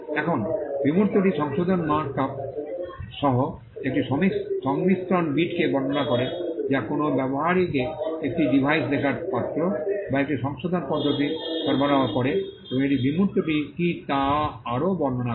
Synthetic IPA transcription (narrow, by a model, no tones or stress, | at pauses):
ɛkʰonbimuɾt̪oʈiʃɔŋʃod̪ʱonmakːap̚ | ʃɔɦo | ek̚ʈiʃɔmiʃɔŋmist̪ɾonbiʈkebɔɾnonakɔɾed͡ʑakonobɛboɦaɾikeek̚ʈiɖibʱajsɾekʰaɾpat̪ːɾobaek̚ʈiʃɔŋʃod̪ʱonpɔd̪ʱːot̪̬isɔɾbʱaɾaakɔɾe | ebõŋeʈibimuɾt̪oʈikit̪aaɾobɔɾnona